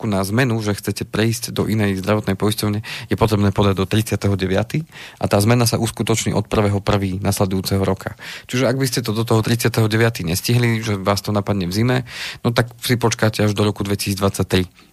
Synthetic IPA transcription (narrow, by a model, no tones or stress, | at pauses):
kunazmɛnuʒɛxt͡sɛcɛpɾɛiscd̪ɔʔinɛjzd̪ɾaʋɔt̪nɛjpɔjscɔʊɲɛjɛpɔt̪ɾɛbnɛːpɔd̪aɟd̪ɔt̪ɾit͡sɪat̪ɛɦɔɟɛʋɪa̰t̪iːʔat̪aːzmɛnasaʔuskut̪ɔt͡ʃɲḭːʔɔt̪̚pr̩ʋɛɦɔpr̩ʋiːnaslɛd̪ujuːt͡sɛɦɔɾɔkʰat͡ʃiʒɛaɡbiscɛt̪̬ɔd̪ɔt̪̬ɔɦɔt̪ɾit͡sɪat̪ɛɦɔɟɛʋɪat̪iːɲɛsciɦliʒɛʋaːst̪ɔnapad̪ɲɛvzimɛnɔt̪aksipɔt͡ʃkaːcɛaʒd̪ɔɾɔkud̪ʋɛci̥siːd͡zd̪ʋat͡sːac̚t̪ɾi